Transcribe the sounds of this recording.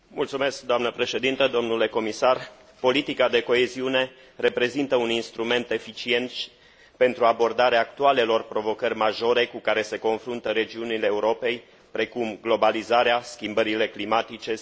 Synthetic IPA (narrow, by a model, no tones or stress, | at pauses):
mult̪sume̞sk̚d̪oamnəpɾe̞ʃe̞d̪int̪əd̪o̞mnule̞ko̞misar | po̞lit̪ikad̪e̞ko̞e̞ziune̞ | re̞pɾe̞zint̪əuninst̪ɾume̞nt̪e̞fit͡ʃie̞nt̪ | pe̞nt̪ɾuabo̞rd̪aɾeaːk̚t̪uale̞lo̞rpɾo̞vo̞kərʲmaʒo̞ɾe̞kukaɾe̞se̞ko̞nfɾunt̪əɾe̞d͡ʒiunileːuɾo̞pe̞j | pɾe̞kumɡlo̞balizaɾeaskʲimbəɾile̞klimat̪it͡ʃe̞